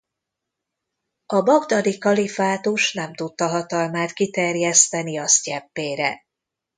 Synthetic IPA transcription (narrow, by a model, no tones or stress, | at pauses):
ɒbɒɡd̪ɒd̪ikɒlifaːt̪uʃnɛmt̪ut̪ːɒɦɒt̪ɒlmaːt̪kit̪ɛrjɛst̪ɛniɒscɛpːeːɾɛ̰